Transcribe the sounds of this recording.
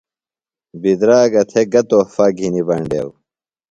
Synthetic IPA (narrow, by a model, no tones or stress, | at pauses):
bid̪ɾaːɡɐt̪ʰeɡɐt̪ofaɡʱinibɐɳɖḛw